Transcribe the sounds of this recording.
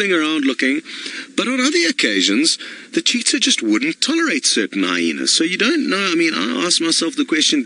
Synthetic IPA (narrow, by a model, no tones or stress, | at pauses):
ɪ̃ŋə˞ãʊ̃nˡlʊkɪ̃ŋb̥ʌɾn̩ʌðə˞ɨkʰeɪʒɨ̃nzðɨt͡ʃʰitsə˞d͡ʒʌst̚wʊdⁿn̩tʰɑlˠə˞eɪtsɜ˞ʔn̩a̰ɪḭ̃nɨ̰z̥soʊjɨdõʊ̃nːoʊaɪmĩna̰ɪæsk̚maɪsɛlˠfðəkʰw̥ɛst͡ʃɨ̃n